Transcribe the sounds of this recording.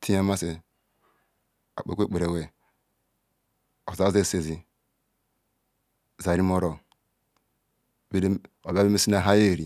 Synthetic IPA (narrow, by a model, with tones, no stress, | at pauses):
tʰi˦ja˦ma˦se˨ | a̰˨k͡pe˨kʷe˦k͡pe˨ɾe˨we˨ | o˨za˦ze˦˨se˨zi˨ | za˨ɾi˦mo˦ɾo˨ | be˦o˨bbe˦me˦si˦na˦ɦa˦je˦˨ɾi˨